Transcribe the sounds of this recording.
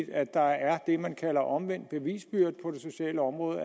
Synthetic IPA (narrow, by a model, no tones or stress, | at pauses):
d̥æ̥ɑ̈æɐd̥e̝mænkʰælɐʔɒ̽mʋen̰d̥̚b̥e̝ʋḭːsb̥yɐ̰d̥̚pʰɒ̽d̥e̝so̝ɕɛ̰ːləɒ̽mʁɔ̽ːðˠ